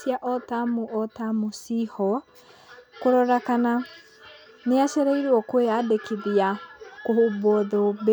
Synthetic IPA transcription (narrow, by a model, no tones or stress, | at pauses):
sjaʔɔtamoʔɔtamosihɔ | koɾɔɾakana | neaʃɛɾaiɾwɔkweadekeðiakohobɔðɔb